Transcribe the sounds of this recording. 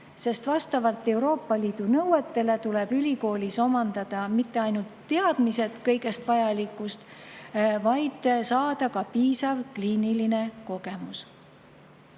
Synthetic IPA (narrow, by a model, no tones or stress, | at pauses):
se̞st̪vɑst̪ɑvɑlt̪ːˑe̞wɾo̞ːpːɑliːd̪̥unɤwet̪ːe̞le̞t̪ule̞b̥ylʲiko̞ːlʲiso̞mɑnd̪̥ɑd̪̥ɑmit̪ːe̞ɑjnult̪ːe̞ɑd̪̥mise̞t̪kɤjɡe̞st̪vɑjɑlikːˑust̪ | vɑjd̪̥sɑːd̪̥ɑkɑpiːsɑvkliːniline̞ko̞ɡ̥e̞mus